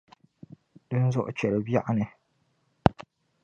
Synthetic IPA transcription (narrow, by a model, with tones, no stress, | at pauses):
d̥ɨ˦n˦zʊ˦ʔʊ̰˦t͡ʃɛ˨ɾɨ˨bi˦a˦ʔnɨ˨